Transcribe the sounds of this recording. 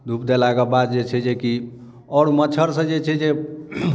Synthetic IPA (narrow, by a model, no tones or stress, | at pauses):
d̪ʱupd̪ɛlaɡəbad̪d͡ʒet͡ʃʰɛd͡ʒeki | ɔɽmət͡ʃʰəɾsə̃d͡ʒet͡ʃʰɛd͡ʒe